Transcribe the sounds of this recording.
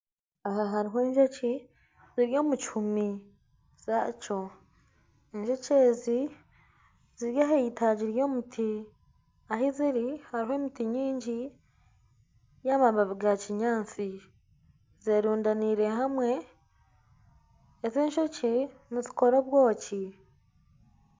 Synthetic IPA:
aɦaɦaɾiɦeːɲʒoci | ziɾjo̞ːmut͡ʃi̥humi | z̥at͡ʃo̞ | eɲʒocezi | ziɾjaɦeitaɟiɾjo̞ːmutʰi | aɦiziɾihaɾiɦe̞ːmitiɲiːɲɟi | jaːmaβaβiɡaciɲaːnt͡si | zeːɾuːndaniɾeɦamwe̞ | zeːɲʃociniziko̞ɾoβwo̞ːci

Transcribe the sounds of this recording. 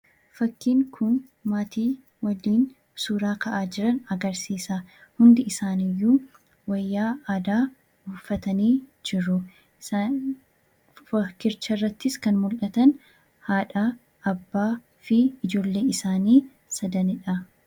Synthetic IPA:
fɐkːiːŋkʰʊn | maːt̪iː | wɐlːiːn | suːɾaːkɐʔaːd͡ʒɪɾɐnɐɡɐɾsiːsahʊnd̪ɪɪsaːnɪjːuː | wɐjːaːaːd̪aː | ɡuːfːɐt̪ɐniːd͡ʒɪɾʊ | fɐkːɪɾt͡ʃːɐrːɐt̪ːɪskɐnmʊlʔɐt̪ɐn | haːᶑaː | ɐbːaː | fɪɪd͡ʒo̞ːlːe̞ːɪsaːniː | sɐd̪ɐnɪᶑɐ

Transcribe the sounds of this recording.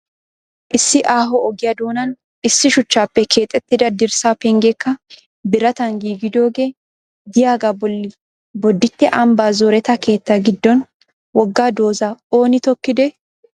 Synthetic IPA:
ʔɪsːɪʔaːɦɔɔɡɪjɐd̪oːnɐn | ɪsːɪʃʊt͡ʃːaːpːɛkʰe̞ːt̪ʼːɛt̪ːɪd̪ɐd̪ɪɾsaːpɛŋɡɛkːɐ | bɪɾɐt̪ɐŋɡiːɡɪd̪o̞ːɡeː | d̪ɪjaːɡɐbɔlːɪ | bɔd̪ːɪt̪ːɛʔɐmbaːzoːɾɛt̪ɐke̞ːt̪ːɐɡɪd̪ːɔn | wɔɡːaːd̪o̞ːzɐo̞ːnɪt̪ɔkːɪd̪ɛ

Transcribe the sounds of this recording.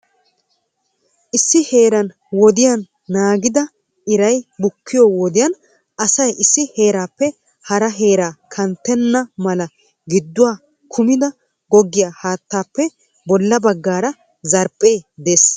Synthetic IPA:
ʔɪsːɪhe̞ːɾɐn | wɔd̪ɪjanː | aːɡɪd̪ɐ | ʔɪɾɐjbʊkːɪjɔwɔd̪ɪjɐn | ʔɐsɐjʔɪsːɪhe̞ːɾaːpːɛ | hɐɾɐɦe̞ːɾaːkʰɐnt̪ːɛnːɐmɐlɐ | ɡɪd̪ːʊwaː | kʰʊmɪd̪ɐ | ɡɔɡːɪjaːhaːt̪ːaːpːɛ | bɔlːɐbɐɡːaːɾɐ | zɐɾpʼːe̞ːd̪e̞ːs

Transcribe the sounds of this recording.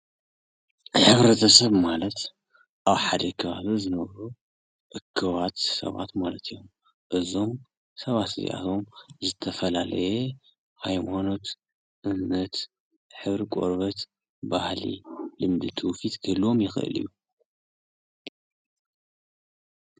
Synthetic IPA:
ħɨβɾɐt̪ʰɐsɐβmalɐt̪ | ʔaβħad̪ɐkʰɐβaβizɨnɐβɾu | ʔɨkʰːɨβat̪sɐ̰βa̰t̪malɐt̪ʰijom | ʔɨzo̞m | sɐβat̪ɨzḭʔa̰t̪ʰo̞mzɨt̪ʰɐfɐlalɐ̰je | hajmano̞t̪ | ʔɨmnɐt̪ | ħɨβɾikʷʼo̰ɾβɐt̪ | bahlḭlɨmd̪ɨt̪ʰufit̪ɡʰɨlo̞mjɪxʔɨ̰lḭjːu

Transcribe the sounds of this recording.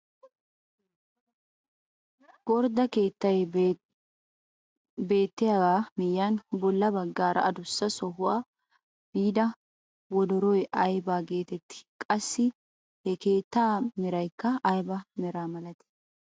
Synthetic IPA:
ɡ̥ɔɾd̪ɐkeːt̪ːɐj | be̞ːt̪ːɪjaːwaːmɪjːanbɔlːɐbɐɡːaːɾɐ̰ɐd̪ʊsːɐsɔɦʊwaː | b̥iːd̪ɐ | wɔd̪ɔɾɔjɐjbaːɡe̞ːt̪ɛt̪ːɪ̥kʼɐsːɪ | hɛke̞ːt̪ːaːmɪɾɐjkːɐːjbɐmɛɾaːmɐlɐt̪ɛ̥

